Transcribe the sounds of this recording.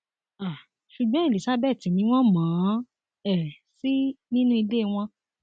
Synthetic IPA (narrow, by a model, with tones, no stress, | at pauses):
a˨ | ʃu˨ɡ͡bɔ̃˦e˨li˨sa˦bɛ˦˨ti˨mĩ˧˦w̃ɔ̃˦mãː˨˦ | ɛ˦˨ | si˦nĩ˦nũ˦i˧de˦˨w̃ɔ̃˧